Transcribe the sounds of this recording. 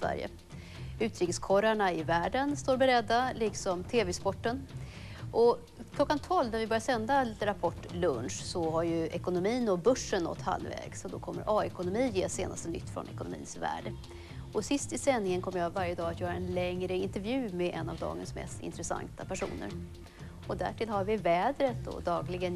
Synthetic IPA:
væ̰ɾjə̰ | ʉ̟ːt̪ɾiːkəskʰɔɾaɳaɪvæːɖənst̪oːɾbɛɾɛd̪ːalɪksɔmt̪ʰeːvɛspɔʈːən | ʔɔ | kʰlɔkːant̪ʰɔlvnæɾvɪbœɾjasɛnd̪at̪ɾapʰɔʈːlɵnʂsɔɦaɾjɵʔɛkʊnʊmiːnɔbɵʂːəɳːɔ̰t̪ːha̰lːvɛ̰ːɡsɔd̪ɔkʰɔmːə̰ɾʔɑːɛkʊnʊmiːjeːsḛːnast̪ənʏ̰t̪ːfɾɔ̰nɛkʊnʊ̰mḭːnsvæ̰ːɖə | ɔsɪst̪ɪsɛnːɪŋənkʰɔmːəjavaɾjəd̪ɑːat̪ʰjœːɾaɛnlɛŋɾəɪnt̪ɛɾvjʉ̟ːmɛʔɛnːavd̪ɑ̰ːɡə̰nsmɛ̰st̪ɪ̰nt̪ɾɛsa̰ŋt̪apʰæʂṵːnə̰ɾ | ɔd̪æ̰ʈʰɪlhaɾvɪvɛːd̪ɾət̪ɔ̰d̪ɑːɡlɪɡən

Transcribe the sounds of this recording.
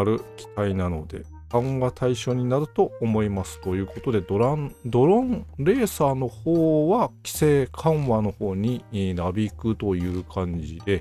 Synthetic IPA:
aɾɯ̟kʲi̥t̪ainano̞̰d̪e̞̰ | kãɰ̃βat̪ʰaiɕo̞ːɲ̟inaɾɯ̟t̪o̞omo̞imasɨ̥t̪o̞jɯ̟ːko̞t̪o̞d̪e̞d̪oɾad̪o̞ɾõ̞ɴɾe̞ːsaːno̞hoːβakʲi̥se̞ːkʰãɰ̃βano̞ho̞ːɲ̟iɾabʲikɯ̟t̪o̞jɯ̟ːkʰãɲ̟d͡ʑid̪e̞

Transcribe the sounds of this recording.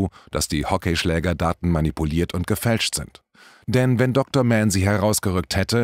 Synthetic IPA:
uːd̥asd̥iːhɔkeʃlɛːɡɐdaːtn̩manipuliːɐtʰʊnt̚ɡ̥əfɛlʃtz̥ɪ̰nt | d̥ɛnvɛndɔk̚toɐmɛnziːɦɛʁaʊsɡ̥əʁʏk̚thɛtə

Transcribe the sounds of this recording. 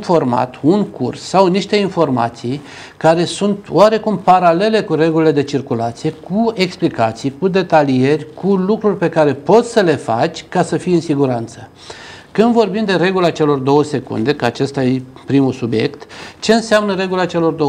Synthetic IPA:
nfo̞rma̰t̪unkursːawniʃt̪e̞info̞rma̰t̪sij | kaɾe̞sunt̪waɾe̞kumpaɾale̞le̞kuɾe̞ɡulile̞d̪e̞t͡ʃirkulat̪sije̞kue̞ksplikat̪sijkud̪e̞t̪alie̞rʲkulukɾurʲpe̞kaɾe̞po̞t̪ssəle̞fa̰t͡ʃʲkasəfijɨnsiɡuɾant̪sə | kɨnd̪vo̞rbimd̪e̞ɾe̞ɡulat͡ʃe̞lo̞rd̪o̞wəse̞kṵnd̪e̞kəat͡ʃe̞st̪ajepɾimusubje̞̰kt̪t͡ʃe̞ɨnseamnəɾe̞ɡulat͡ʃe̞lo̞rd̪o

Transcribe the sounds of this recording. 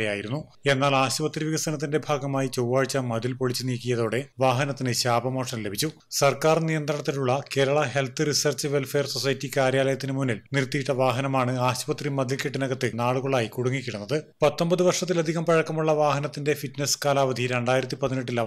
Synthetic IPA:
ɐja̰ːjiɾunːu | e̞nːaːlaːɕubɐt̪riʋiɣɐsɐnɐt̪ːinde̞bʱaːɡɐmaːjit͡ɕowːaːɻt͡ɕːɐmɐðilpo̞ɭit͡ɕːɨniːkːijɐðo̞ːɽeʋaːɦɐnɐt̪ːinɨɕaːbʱɐmoːʂɐnle̞bʱit͡ɕːu | sɐrkaːrnijɐnd̪rɐɳɐt̪ːiluɭːɐke̞ːɾɐɭɐɦe̞lt̪ʰɨrisɐrt͡ɕːɨʋelfe̞ːrso̞sɐjɐtːikaːɾjaːlɐjɐt̪ːinɨmunːilnirt̪ːijiʈːɐʋaːɦɐnɐmaːɳɨaːɕubɐt̪rimɐd̪ilkeʈːinɐɣɐt̪ːɨnaːɭuɣɐɭaːjikuɽuŋːikʲːiɽunːɐðɨpɐt̪ːo̞mbɐðuʋɐrʂɐt̪̬ːilɐd̪ʱiɣɐmpɐɻɐkːɐmuɭːɐʋaːɦɐnɐt̪ːinde̞fitneskaːlaːʋɐd̪ʱiɾeɳɖaːjiɾɐt̪̬ːipɐðineʈːilːɐ

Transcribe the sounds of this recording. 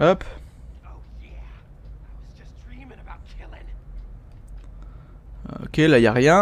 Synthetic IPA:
ɔpojæ | ɪwʌzd͡ʒʌsdɹĩm̃ŋəbaʊt̚t͡ʃʰɪlˠɪ̃n | o̰kʲelajaʁjɛ̃

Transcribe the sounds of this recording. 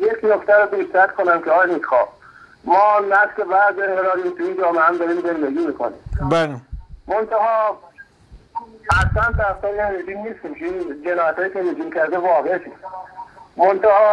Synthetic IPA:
jekʰnokt̪æɾod̪it̪ɾæt̪kʰonæmkʲeɒːjnikxɒː | mɒːnæfslebæɾze̞ŋɡelɒːɾiːmt̪ʰuiːnd͡ʒɒːmeæmd̪ɒːɾiːmze̞nd̪eɡʲiːmiːkʰo̰nḭːmbalemont̪ʰæɦɒː | æslænt̪æft̪ɒːjnɾed͡ʒimniːst̪imkʰeiːnd͡ʒenɒːjæt̪hɒːjiːkʲemid͡ʒimkæɾd̪evɒːɣeʃʰis | mont̪æhɒː

